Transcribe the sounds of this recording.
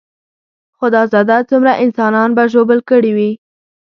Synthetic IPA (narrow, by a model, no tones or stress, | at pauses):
xod̪əzɑd̪at͡sumɾaʔɪnsɑnɑnbaʒobəlkəɽiwi